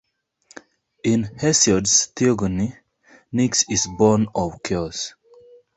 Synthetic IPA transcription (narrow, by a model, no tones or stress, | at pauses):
ĩnhɛsɔdstiɔɡəni | niksizbɔnɔvkʰɛs